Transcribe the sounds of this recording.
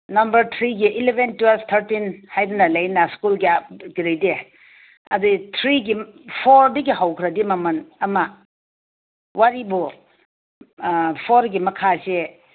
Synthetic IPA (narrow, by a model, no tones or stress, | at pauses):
nɐmbɐɾt̪ʰɾiɡiʔilebʱentwelbt̪ʰɐɾtinhajdunɐlɐjnɐskulɡiapɡɾejde | ɐ̰dut̪ʰɾiɡipʰoɾdɐɡiɦawkʰɾɐdimɐmɐnɐmɐ | waɾibu | pʰoɾɡimɐkʰase